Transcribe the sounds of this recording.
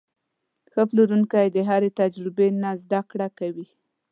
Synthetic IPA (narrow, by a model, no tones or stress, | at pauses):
xəpluɾuŋkajd̪əɦaɾet̪ad͡ʒɾɪbenazd̪akɽakawi